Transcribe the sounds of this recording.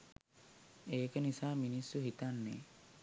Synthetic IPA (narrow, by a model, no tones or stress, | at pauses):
eːkənisaːminisːuɦit̪anːḛː